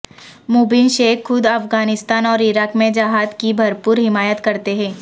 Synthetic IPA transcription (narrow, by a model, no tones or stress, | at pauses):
muːbɪnʃeːkxːʊd̪ɐfɡaːnɪst̪aːnɔːɾɪɾaːkmẽd͡ʒɐɦaːd̪kibʱɐɾpuːɾɦɪmaːjət̪kɐɾt̪eɦɛ̃ː